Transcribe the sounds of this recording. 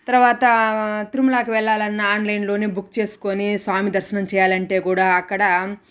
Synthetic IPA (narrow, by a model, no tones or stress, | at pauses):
t̪ɐɾɐʋaːt̪ɐt̪iɾumulaːkiʋɛɭːaːlɐnːɐaːnlɐjnlo̞ːneːbukːt͡ʃe̞ːsu̥konisʋaːmid̪ɐɾʃɐnɐmt͡ʃɛːjaːlɐɳʈe̞ːkuːɽaːɐkːɐɽɐ